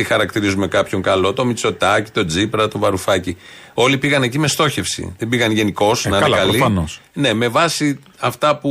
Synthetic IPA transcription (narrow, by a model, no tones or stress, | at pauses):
ixɐɾɐkt̪iɾizume̞kɐpço̞ŋkɐlo̞t̪o̞mit͡so̞t̪ɐci̥t̪o̞d͡zipɾɐt̪o̞vɐɾufɐcio̞lipiɣɐne̞cime̞st̪o̞çe̞fsḭðebiɣɐnʝe̞niko̞snɐnɐɐlliɐnosne̞me̞vɐsi | ɐft̪ɐpu